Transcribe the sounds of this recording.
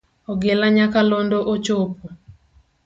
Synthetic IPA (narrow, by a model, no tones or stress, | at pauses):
ɔɡelaɲakalondoʔot͡ʃopo